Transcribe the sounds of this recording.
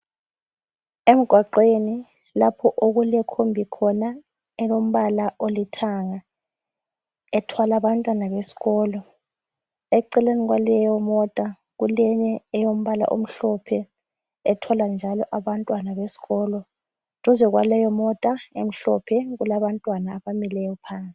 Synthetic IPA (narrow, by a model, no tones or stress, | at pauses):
em̩ɡ̥ʱwaǃweni | lapʰɔʔoɣulɛkʰombʱikʰɔna | ɛjom̩βalaʔolitʰaŋa | ɛtʰwalaβantʼwanaβesi̥ɣɔːlɔ | ɛǀɛleniɣwalɛjɔmɔtʼa | ɣulɛɲɛɛjom̩βala̰ʔo̰m̩ɬɔpʰɛ | ɛtʰɔland͡ʒʱalɔʔaβantʼwanaβesi̥ɣɔlɔ | tɔzɛɣwa̰lɛjɔmɔtʼaḛm̩ɬɔpʰɛɣulaβantʼwanaːβamilɛjɔpʰaːnsʼi̥